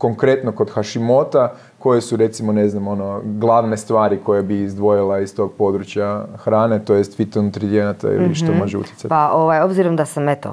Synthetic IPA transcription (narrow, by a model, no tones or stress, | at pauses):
ko̞ŋkɾe̞t̪noko̞d̪xaʃimo̞t̪a | ko̞jesuɾe̞t̪simo̞ne̞znamo̞no̞ɡlˠaʋne̞st̪ʋaːɾiko̞jabiːzd̪ʋo̞jilˠaist̪o̞ːɡ̚po̞d̪ɾut͡ɕjaxɾaːne̞t̪o̞jest̪fit̪ont̪ɾid̪ijenat̪a̰ḭliʃt̪omoʒeṵt̪jetsapaoʋajo̞bziɾomd̪asamet̪o̰